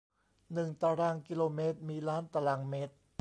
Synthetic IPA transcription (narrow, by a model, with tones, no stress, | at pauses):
nɯ˨˩ŋt̪aː˨˧˩ɾaː˧ŋki˧loː˧meː˦˥t̪̚miː˧ɾaː˦˥nt̪a˧laː˧ŋmeː˦˥t̪̚